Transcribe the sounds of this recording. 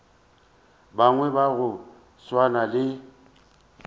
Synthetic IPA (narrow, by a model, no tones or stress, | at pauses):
baŋwɛbaɣʊ | swanalɪ